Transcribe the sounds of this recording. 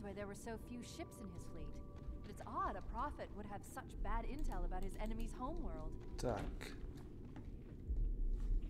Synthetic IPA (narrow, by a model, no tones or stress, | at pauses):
weɪðə˞wə˞soʊfjʉʃɪpsɨ̃n̩ɪz̥flit | b̥ʌɾɨtsɑɾəpʰɹ̥ɑfɨt̚wəɾ̚ɨv̥sʌt͡ʃb̥æɾɪ̃ntʰɛɪlˠəbaʊt̚ɨzɛnɨmiz̥hõʊ̃mwɜ˞lˠd̥tʰa̰k